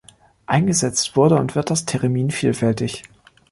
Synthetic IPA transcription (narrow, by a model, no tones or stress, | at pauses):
ʔaɪnɡəzɛt͡stv̥ʊɐɾəʊntv̥ɪɐt̚d̥astʰɛʁemiːnfiːlfɛltɪç